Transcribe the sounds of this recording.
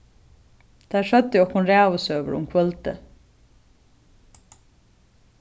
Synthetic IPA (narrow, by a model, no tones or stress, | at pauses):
d̪̥æʂœd̪əjɔkhʊnɾeːʋʊsøːʋə̰ɾʊ̰mkʰʋœlt̪ə̰